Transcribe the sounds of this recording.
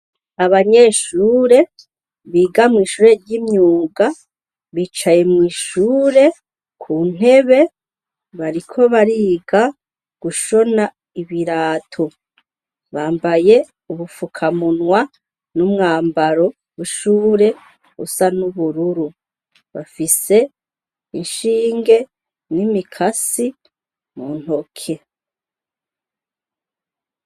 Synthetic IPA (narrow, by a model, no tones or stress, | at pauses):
aβaɲe̞ʃuːɾe̞ | βiːɡamŋiːʃuːɾeɾɟiːmɲuːɡa | βiːt͡ʃaje̞mŋiːʃuːɾe̞ | kʰuːn̥e̞βe̞ | βaɾikʰo̞βaɾiːɡa | ɡ̥uʃo̞na | iβiɾaːtʰo | βaːmbaje̞ | uβufukʰamunŋwa | numŋaːmbaɾo̞ | βuʃuːɾe̞ | ṵsanuβuɾuɾu | βa̰fise̞ | inʃiːŋɡe̞ | nimikʰasi | muːn̥ho̞kʰe̞